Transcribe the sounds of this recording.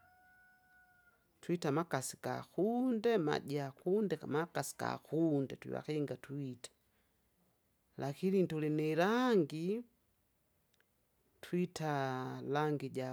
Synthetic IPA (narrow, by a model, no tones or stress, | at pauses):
twitamakasika̰kundɛma̰ɟakundɛmakasi̥ka̰kundɛ̰twḭwa̰kiŋɡatwitḁ | lakinintulinilaŋɡi | twitʰalaŋɡiɟa